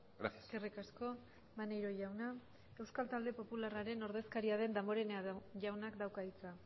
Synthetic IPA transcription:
ɡasaskerikasko̞ | manejɾo̞ʝawna | e̞wskalt̪ald̪e̞po̞pularaɾe̞no̞ɾðe̞skaɾiað̞e̞nd̪amo̞ɾe̞neaʝawnakd̪awkait͡sa

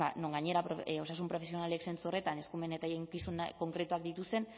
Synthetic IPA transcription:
ano̞ŋɡaɲe̞ɾapoo̞sas̬umpɾo̞fe̞sio̞nale̞kse̞nt͡suo̞re̞t̪ane̞skume̞net̪ajeŋkisunko̞ŋkɾe̞t̪uak̚d̪it̪ust̪e̞n

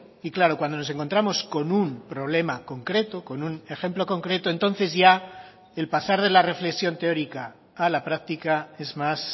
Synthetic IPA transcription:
iklaɾo̞kwand̪onose̞ŋko̞nt̪ɾamo̞sko̞numpɾo̞βle̞mako̞ŋkɾe̞t̪oko̞nune̞xe̞mplo̞ko̞ŋkɾe̞t̪oe̞nt̪o̞nθe̞zʝa | e̞lpasaɾðe̞lare̞fle̞ksjo̞nt̪e̞o̞ɾikaː | lapɾakt̪ikae̞zmas

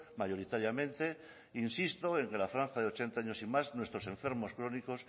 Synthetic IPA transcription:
majo̞ɾit̪aɾjamẽ̞nt̪e̞ | insist̪oe̞ŋke̞lafɾãn̟θaðeo̞t͡ʃent̪aaɲo̞simaznwe̞st̪ɾo̞sẽ̞ɱfe̞ɾmo̞skɾo̞niko̞s

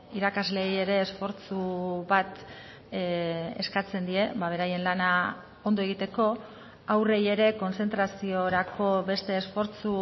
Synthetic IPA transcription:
iɾakazle̞je̞ɾe̞ːsfo̞ɾt͡suβat̪ | ḛskat͡se̞nd̪ie̞βaβ̞e̞ɾaje̞nlana | o̞nd̪oeɣ̞it̪e̞ko̞ | awre̞je̞ɾe̞ko̞nt͡se̞nt̪ɾasio̞ɾako̞βe̞st̪e̞ːsfo̞ɾt͡su

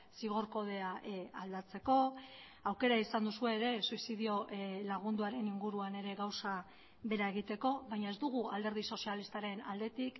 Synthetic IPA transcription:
siɣ̞oɾko̞ð̞e̞aald̪at͡se̞ko̞ | awke̞ɾaisand̪usue̞ːɾe̞suisiðio̞laɣ̞und̪uaɾe̞niŋɡuɾuane̞ɾe̞ɣawsa | βe̞ɾae̞ɣ̞it̪e̞ko̞βajɲae̞zd̪uɣ̞uald̪e̞ɾð̞iso̞sialist̪aɾe̞na̰ld̪e̞t̪ik

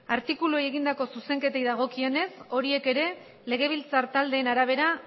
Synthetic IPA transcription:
aɾt̪ikuluaje̞ɣind̪ako̞suse̞ŋke̞t̪ejðaɣ̞o̞kie̞ne̞so̞ɾie̞ke̞ɾe̞ | le̞ɣ̞e̞β̞ilt͡saɾt̪ald̪e̞ːnaɾaβ̞e̞ɾa

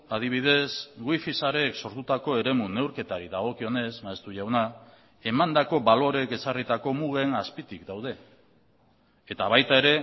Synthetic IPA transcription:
að̞iβ̞ið̞e̞sɡwifisaɾe̞kso̞ɾt̪ut̪ako̞e̞ɾe̞mune̞wɾke̞t̪aɾiðaɣo̞kio̞ne̞zmaest̪uʝawna | e̞mand̪ako̞βalo̞ɾe̞ke̞sarit̪ako̞muɣ̞e̞naspit̪ikd̪awð̞e̞ | et̪aβajt̪ae̞ɾe̞

